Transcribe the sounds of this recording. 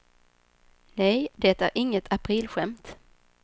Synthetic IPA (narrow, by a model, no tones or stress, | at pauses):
nɛjd̪et̪æɾʔɪŋːət̪ʰapʰɾiːlɧɛmt̪